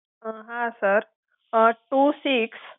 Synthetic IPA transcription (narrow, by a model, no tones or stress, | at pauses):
ɦãsəɾ | ʈusiks